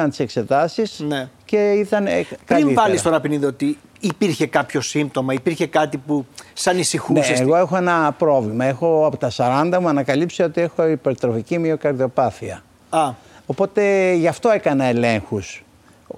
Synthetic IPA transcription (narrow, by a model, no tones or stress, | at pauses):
ɐnt̪i̥se̞kse̞t̪ɐsisnece̞it̪ɐnkɐiivɐlist̪onɐpiniðiot̪iː | piɾçe̞kɐpço̞sim̚t̪o̞mɐipiɾçe̞kɐt̪ipusɐnisixunneːɣo̞e̞xo̞e̞nɐpɾo̞vlimɐe̞xo̞ɐpot̪ɐsɐɾɐnd̪ɐmuɐnɐkɐlipseo̞t̪ie̞xo̞ipe̞ɾt̪ɾo̞ficimiokɐɾðio̞pɐθiɐ | ɐ | o̞po̞t̪e̞ʝɐft̪o̞e̞kɐnɐe̞le̞ŋxus